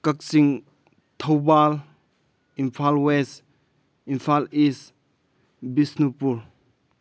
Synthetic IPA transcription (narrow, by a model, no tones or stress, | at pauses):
kak̚siŋ | tʰowbal | impʰalwes | impʰalis | bisnupuɾ